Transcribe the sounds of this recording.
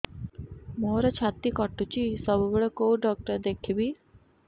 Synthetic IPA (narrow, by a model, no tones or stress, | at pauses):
moɾɔt͡ʃʰat̪ikɔʈːut͡ʃisɔbɔbɭɔkowɖɔk̚ʈəɾd̪ekʰibi